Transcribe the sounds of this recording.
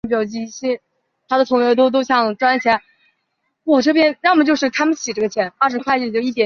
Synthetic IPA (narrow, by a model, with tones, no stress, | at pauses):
pi˨˩jɑ˥˩ʊt͡ɕi˧˥˧ɕi˥˩ | t̪ʰa˥d̪ə˨t̪ʰʊ˧˥ŋjɥɛ˧˥ʊt̪̬o˥ʊt̪̬o˥ʊɕjɑ˥˧˩ŋʈ͡ʂwa˥n˥˩t͡ɕʰjɛ˧˥n | wɔ˥˩ʈ͡ʂɤ˥˩pjɛ˥nɻmə˩t͡ɕjo˥˧ʊʂɻ̩˥˩t̪ʰa˥mə˨nɕi˨˩ʈ͡ʂɤ˥˩ɡə˩t͡ɕʰjɛ˧˥na˥˧˩ʂɻ̩˧˥kʰwa˥˧ɪt͡ɕy˥˩t͡ɕjo˥˧ʊi˥˩t̪jɛ˨˩˥